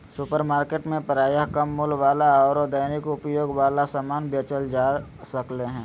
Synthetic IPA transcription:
sʊpəɾmaːɾkeːʈmẽpəɾaːjaɦkəmːʊlʋaːlaɔːɾd̪əɪnɪkʊpjoːɡʋaːlasaːmaːnbjət͡ʃəld͡ʒaː | səkleɦɛ̃ː

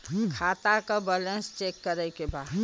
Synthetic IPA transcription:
kʰaːt̪akabɛlə̃nst͡ʃekːəɾəjkebaːd̪

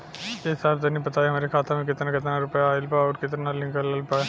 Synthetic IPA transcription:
eːsaːb̚d̪ɐnipɐt̪aiɦɐmaːɾekʰaːt̪amẽkɪt̪nakɪt̪naɾʊpəjaːɪlpaɔːɾkɪt̪nalɪ̃ŋɡələlpa

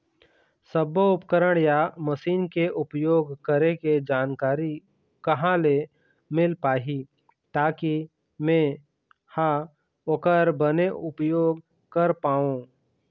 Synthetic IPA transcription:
səboʊpkəɾəɽ̃jaməsiːnkeʔʊpjoːɡkəɾeked͡ʒaːnkaːɾi | kɐɦãle | mɪlpaːɦi | t̪aːki | mẽ | hã | ʊkəɾbəneʊpjoːɡ | kəɾpaːõː

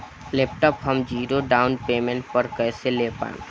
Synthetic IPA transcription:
leːpʈəpɦəmd͡ʒiːɾoɖaːʊnpeːmẽɳʈ̚pəɾkɛːselepa̰ḛ̃

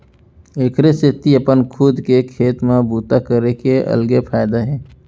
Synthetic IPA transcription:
eːkɾeset̪iəpənkʰʊd̪kekʰeːt̪mẽbuːt̪akəɾekeʔə̰lɡepʰaːjd̪aɦɛ̃ː

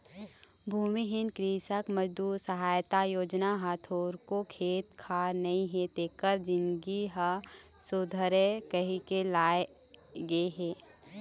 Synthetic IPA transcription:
bʱuːmiɦɪnkɾiːsəkməd͡ʒd̪uːɾsəɦaːjt̪ajoːd͡ʒnaɦat̪ʰoːɾkokʰeːt̪kʰaːnɐĩɦet̪eːkəɾd͡ʒɪnɡiɦa | sʊd̪ʱəɾekəɦikelaːe | ɡəeɦeː

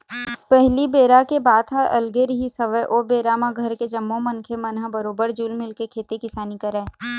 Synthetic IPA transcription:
pɛɦlibeːɾakebaːd̪ɦaʔɐlɡeɾɦisɐʋəjʔoːbeːɾamãɡʱɐɾked͡ʒɐmːõmɐnkʰemɐnɦəbəɾoːbəɾd͡ʒuːlmɪlkekʰeːt̪ekɪsaːnikɐɾɛː

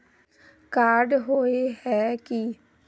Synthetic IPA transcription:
kaːɾɖɦoːeɦɛːki

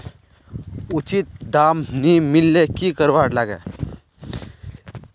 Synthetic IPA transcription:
ut͡ʃit̪̚d̪aːmnimilːekikəɾʋaːɽlaːɡḛ

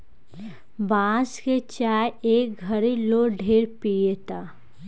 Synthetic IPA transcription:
bãːsket͡ʃaːjeːk̚ɡʱəɾiloːɖʱeːɾpiet̪aː

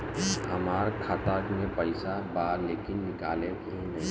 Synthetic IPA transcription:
ɦɐmaːɾkʰaːt̪akepəɪsabaːɾleːkɪnːɪkaːleɡʱinɐɦĩ

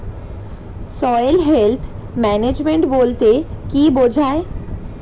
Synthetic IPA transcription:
sɔlɦelt̪ʰ | mɛned͡ʑmeɳʈbolt̪ekibod͡ʑʱae

